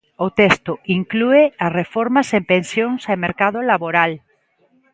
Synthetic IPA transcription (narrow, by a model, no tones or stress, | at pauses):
ot̪est̪oiŋklueasrefoɾmasempẽnsjoŋsameɾkaðolaβoɾal